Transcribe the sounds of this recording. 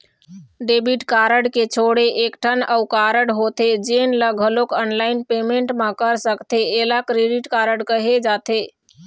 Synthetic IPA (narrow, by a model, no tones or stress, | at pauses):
ɖebiʈkaɾəɽket͡ʃʰoɽeʔekʈʰənəukaɾəɽɦot̪ed͡ʒenləɡʱəlokənlainpemeɳʈmãkəɾsəkt̪eːlakɾeɖiʈkaɾəɽkəɦed͡ʒat̪e